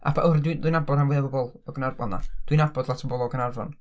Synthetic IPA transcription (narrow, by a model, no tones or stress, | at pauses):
a̰pʰaʔʊrddujnabɔdanvɨðabɔbɔlˠɔɡənarba̰na̰d̥winabɔdlˠatʰɔbɔlˠɔɡənarvɔ̰n